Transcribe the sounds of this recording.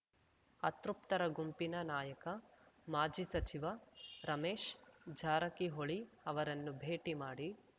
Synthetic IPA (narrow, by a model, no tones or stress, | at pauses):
ɐt̪ɾup̚t̪ɐɾɐɡumpinɐnaːjɐkɐmaːd͡ʒisɐt͡ʃiʋɐɾɐmeːʃd͡ʒʱaːɾɐkiɦoɭi | ɐʋɐɾɐnːubʱeːʈimaːɽi